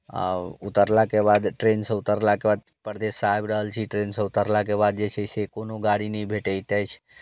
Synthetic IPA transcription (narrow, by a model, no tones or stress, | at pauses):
a̰ut̪əɾlakebad̪ʈɾensə̃ut̪əɾlakebad̪̚pəɾd̪esajbɾəɦəlt͡ʃʰiʈɾensə̃ut̪əɾlakeβad̪̚d͡ʒet͡ʃʰɛsekonoɡaɽinɛjbʱeʈəjt̪ɛjt͡ʃʰ